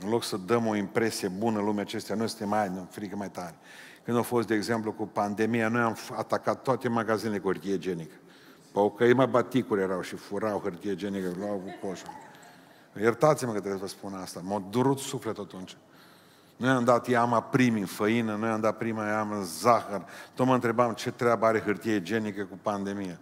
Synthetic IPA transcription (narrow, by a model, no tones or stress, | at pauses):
ɨnlo̞ksəd̪əmo̞impɾe̞sije̞bunəɨnlumat͡ʃe̞st̪eanujesɨnt̪emːanfɾikəmajt̪aɾe | kɨnd̪afo̞st̪̚d̪eːɡzemplukupand̪e̞mijanojamat̪akat̪ːoat̪e̞maɡazinelekuhərt̪ied͡ʒenikə̥ | pəkəimabat̪ikuɾʲjeɾawʃifuɾawhərt̪ied͡ʒenikəluawkupost̪u | jert̪at̪siməkət̪ɾesəspunast̪amod̪uɾut̪suflet̪at̪unt͡ʃ | nujamd̪at̪jamapɾimiɨnfəinənujamd̪at̪̚pɾimajamənzaxərt̪ot̪məɨnt̪ɾe̞bamt͡ʃe̞t̪ɾeabaaɾe̞ɦɨrt̪ied͡ʒenikəkupand̪e̞mija